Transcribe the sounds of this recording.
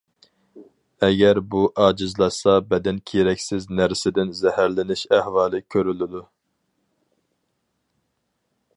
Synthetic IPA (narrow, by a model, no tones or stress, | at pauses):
ɛɡʲɛɾbuʔɑːd͡ʒɪzlˠɑsɑbɛd̪ɛnkʲʰiɾɛkʲsɪznæɾsɪd̪ɪnzɛhæɾlɪnɪʃæhwɑːlˠɨkʲʰøɾylɪd̪u